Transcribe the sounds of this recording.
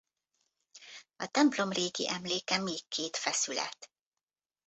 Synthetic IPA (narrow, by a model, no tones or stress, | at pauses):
ɒt̪ɛmplo̞mreːɡḭʔɛmleːkɛmeːkːeːt̪fɛsylɛ̰t̪